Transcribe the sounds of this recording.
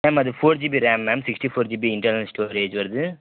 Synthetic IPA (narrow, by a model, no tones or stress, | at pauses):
mɛːmɐðɯfoːɾd͡ʒibiɾɛːmːɛːmsɪksʈifoːɾd͡ʒiːbiɪɳʈɐɾnɐlsʈoːɾeːd͡ʒʋɐɾɯðɯ